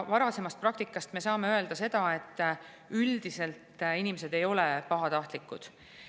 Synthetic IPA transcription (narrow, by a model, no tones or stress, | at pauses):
vɑɾɑse̞mɑst̪̚prɑk̚t̪ikːˑɑst̪me̞sɑːme̞ø̞e̞ld̪̥ɑse̞d̪̥ɑe̞t̪ːˑ | yld̪ise̞lt̪inimese̞d̪̥e̞jo̞le̞pɑɦɑt̪ɑht̪likːˑud̪̥